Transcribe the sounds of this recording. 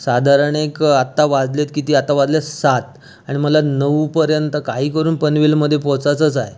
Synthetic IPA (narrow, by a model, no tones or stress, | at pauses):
sad̪ʱaɾəɳekat̪ːaʋad͡zlet̪kit̪iːat̪ːaʋad͡zljasat̪ | aɽ̃iməlanəʋupəɾjənt̪əkaɦiːkəɾuːnpənʋilməd̪ʱːjepɔt͡sat͡səːt͡saje